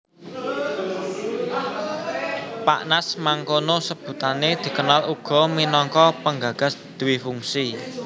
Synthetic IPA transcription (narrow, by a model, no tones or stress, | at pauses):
pa̰ʔnasmaŋkonosəb̥ṳt̪aned̪̥i̤kənaluɡ̥ɔ̤minɔŋkɔpəŋɡäɡ̥a̤sd̪̥ṳwifuŋsi